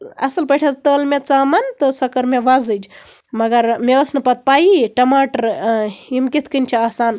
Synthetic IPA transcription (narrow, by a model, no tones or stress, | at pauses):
ɐ̰sɐlpɐʈʰɐzt̪əːlmet͡saːmɐnt̪ɨsɐkɐɾmeʋazɨd͡ʒ | mɐɡɐɾmeɐsnɨpɐt̪̚paːiʈɐmaːʈɐɾimkit̪ʰkɨnʲt͡ʃʰiaːsaːn